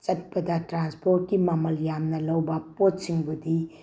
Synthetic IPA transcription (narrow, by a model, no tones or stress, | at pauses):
t͡ʃɐt̚bɐdɐtɾanspot̚kimɐmɐljamnɐlɐwbɐpotsiŋbudi